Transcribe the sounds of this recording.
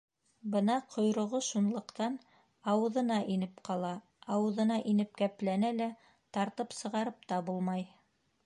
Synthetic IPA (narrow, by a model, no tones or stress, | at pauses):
bɤnɑqʰŏjɾŏʁoʃunlˠɤ̆qt̪ɑn | ɑwɤ̆ðɤ̆nɑʔinɘpqɑlˠɑ | ɑwɤ̆ðɤ̆nɑʔinɘp̚kæplænælæ | t̪ɑɾt̪ɤpsɤ̆ʁɑɾɤp̚t̪ɑbulˠmɑj